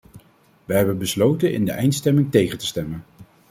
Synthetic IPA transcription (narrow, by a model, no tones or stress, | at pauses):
ʋəɦɛbənbəslowtənɪ̰ndəʔɛjntstɛmɪŋtejχəntə̥stɛmən